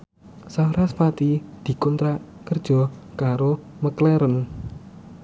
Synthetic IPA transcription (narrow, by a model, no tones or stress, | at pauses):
saɾaspat̪id̪̥i̤kɔnt̪ɾaʔ | kərd̥ʒ̥ɔ̤kaɾo | məklɛɾən